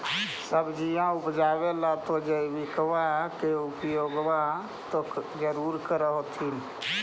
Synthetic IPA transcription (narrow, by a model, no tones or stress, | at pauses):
səbd͡ʒijãupd͡ʒaʋelat̪od͡ʒəiʋɪkəʋakeupjoːɡʋa | t̪od͡ʒəɾuːɾkəɾəɦot̪ʰin